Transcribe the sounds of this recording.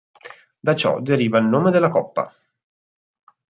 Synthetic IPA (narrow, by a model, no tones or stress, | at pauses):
d̪at͡ʃɔ̰d̪eɾiːvailnoːmed̪elːakɔpːa̰